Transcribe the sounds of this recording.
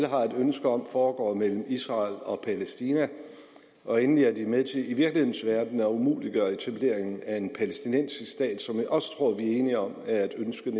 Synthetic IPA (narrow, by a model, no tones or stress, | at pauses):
ləɦɑ̈e̝d̥ønsɡ̥əɒ̽m̰fɒːɡ̥ɒ̰ːmel̰m̩isʁɑ̈ːlɒ̽pʰælesd̥iːnæ | ʔɒ̽enliæɐdimeðˠt͡sʰe̝liʋiɐɡ̥lihe̝ðˠn̩sʋæɐd̥n̩æumṵːliɡ̥ɶːɐe̝t͡sʰæb̥le̝̰ɐ̰e̝ŋ̩æe̝npʰælesd̥inen̰siisd̥ɛ̰ːd̥sɒ̽miʔɒ̽st͡sʰʁo̝ɐ̰ʋiæe̝ːniɒ̽mæɐæd̥ønsɡ̥ən